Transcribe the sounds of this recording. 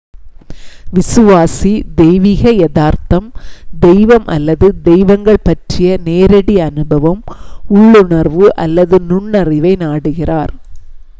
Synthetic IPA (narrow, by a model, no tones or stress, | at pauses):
ʋɪsɯʋaːsid̪ɛjʋiːɣɐjɛðaːɾt̪ɐmd̪ɛjʋɐmʔɐ̰lːɐðɯd̪ɛjʋɐŋɡɐɭpɐʈrɪjɐneːɾɐɽiɐnɯbɐʋɐmʊɭːʊɳɐɾʋɯʔɐlːɐðɯnʊɳːɐrɪʋɐɪnaːɽɯɣɪraːɾ